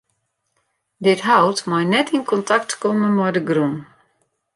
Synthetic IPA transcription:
dɪtɦawtmɔjnɛtinkɔntaktkɔmənmɔjdəɡrun

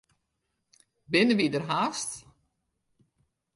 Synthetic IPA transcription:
bɪnəʋidərɦaːst

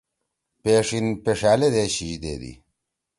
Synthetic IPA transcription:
peːʂinpeʂaːled̪eɕiʑd̪ḛd̪ḭ

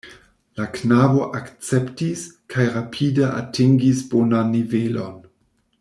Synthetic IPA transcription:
laknabo̞ʔakt͡septiskʰajɾapʰidəʔa̰tʰiŋɡisbonanːivelo̞n

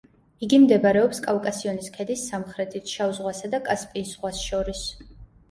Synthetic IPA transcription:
iɡimd̪ɛbaɾɛɔpskʼavkʼasiɔniskʰɛd̪isːamχɾɛt̪ʰit̪ʰʃauzʁwasad̪akʼaspʼiːsʁwasʃɔɾis

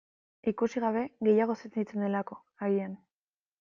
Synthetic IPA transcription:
ikusiɣ̞aβ̞e̞ɣe̞jaɣ̞o̞seit͡send̪elako̞ | aɣian

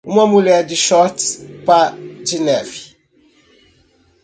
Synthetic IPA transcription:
umamulɛdiʃɔtpad͡ʒinɛvi

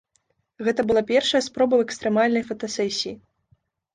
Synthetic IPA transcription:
ɣɛt̪ɐbɨlˠapʲɛrʂɐjɐspɾɔbɐwɛkst̪ɾɛmalʲnɐjfɐt̪ɐsɛsʲiji

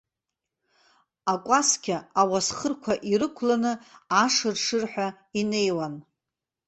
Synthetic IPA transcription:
akʷʼaskʲʰaawasχərkʷʰaʔiɾɨkʷʰlanɨaʂɨrʂɨrħʷᶣa | ine̞jwan

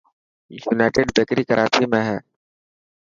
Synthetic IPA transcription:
juːnaːʈeɖbekɾiːkəɾʔaːt͡ʃimẽɦɛː

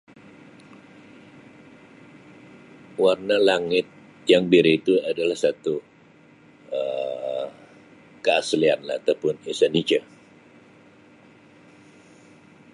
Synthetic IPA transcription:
warnalaŋɪt̪̚ | jaŋbiɾiit̪uadalahsat̪u | ə | kəaslianlaːt̪awpʊnesanit͡ʃa

